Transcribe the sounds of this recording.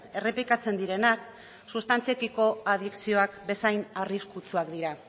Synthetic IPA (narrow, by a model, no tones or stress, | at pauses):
e̞re̞plikat͡se̞nd̪iɾe̞nak | sust̪ant͡siekiko̞aðiksio̞akbe̞sajnariskut͡suakd̪iɾa